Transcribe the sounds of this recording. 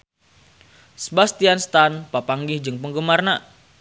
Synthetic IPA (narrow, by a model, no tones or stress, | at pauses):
səbast̪ianst̪anpapaŋɡɪhd͡ʒɨŋpəŋɡəmarna